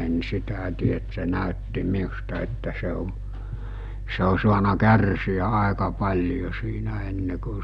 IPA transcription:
en sitæ tie et se næˑøtːi miustɑ etːæ se o se o suɑnɑ kærsiæ ɑˑekɑ pɑlʲjo siːnæ enːe ku

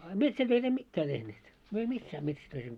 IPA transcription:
ɑ metsætøit em mitːæː tehneːt myø ei misːæː metsætøis emˑø̆

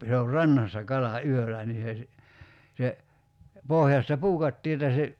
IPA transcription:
se or rɑnːɑsːɑ kɑlɑ yølˑæ niː se si se pohjɑstɑ puːkɑtːiː etːæ se

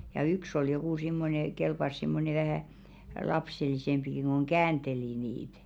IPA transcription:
jɑ yks ol jokuˑ simːone kelpɑs simːone ʋæhæˑ lɑpselisempiki ko̝ŋ kæːnd̥eli niːt

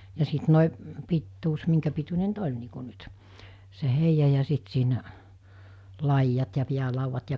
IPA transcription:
jɑ sit noˑi pitːuːs miŋkæpitunʲe nyt olʲ niː ku nyt se heijɑ jɑ sit siːnæ lɑijːɑt jɑ piælɑuʋːɑt jɑ

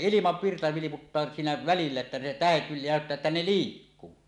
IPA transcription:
ilimɑʋːirtɑ ʋiliputːɑː siːnæ ʋælilːæ etːæ ne tæhet næˑøtːæː etːæ ne liːkːuː

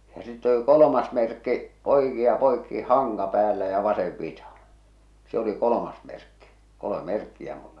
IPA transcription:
jɑ sitːe oli kolomɑs merkːi oikiɑ poikːi hɑŋkɑ pæːlːæ jɑ ʋɑseʋ ʋitɑhɑ̃ː se oli kolomɑs merkːi kolom̆ĕ merkːiæ mulːɑ

